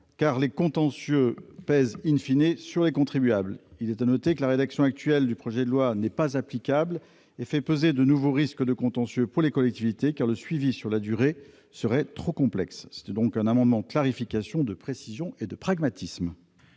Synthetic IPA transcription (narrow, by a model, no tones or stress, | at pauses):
kaʁlekɔ̃t̪ɑ̃sjøpɛzinfinesyʁlekɔ̃t̪χibɥablilɛt̪anɔt̪ekəlaʁed̪aksjɔ̃ak̚t̪ɥɛld̪ypχɔʒɛd̪əlwanɛpazaplikʲabl | efɛpøzed̪ənuvoʁiskəd̪əkɔ̃t̪ɑ̃sjøpuʁlekɔlɛk̚t̪ivit̪ekaʁləsɥivisyʁlad̪yʁe | səʁɛt̪χokɔ̃plɛksːɛ̥t̪ɛd̪ɔ̃kɛ̃namɑ̃d̪mɑ̃d̪əklaʁifikasjɔ̃d̪əpχesizjɔ̃ed̪əpχaɡmat̪ʰism